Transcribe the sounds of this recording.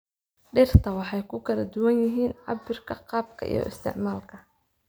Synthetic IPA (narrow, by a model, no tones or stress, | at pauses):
ɖɪrt̪ʰɐwɑħɑjkʰʊkʰɐlɐd̪ʊwɐnjɪɦiːnʕɑ̰bɪrkʰɐqɑːb̚kʰɐ̰ʔḭjɔ̰ʔɪ̰st̪ʰɪ̰ʕmaːlkʰɐ